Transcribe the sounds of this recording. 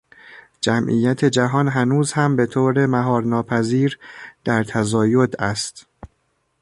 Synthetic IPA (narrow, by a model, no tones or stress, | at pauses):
d͡ʒæmʔḭːjæt̪ʰe̞d͡ʒæɦɒːnɦænuːzhæmbe̞t̪ʰoːɾe̞mæɦɒːɾnɒːpʰæziːɾd̪̥æɾt̪ʰæzɒːjod̪æst̪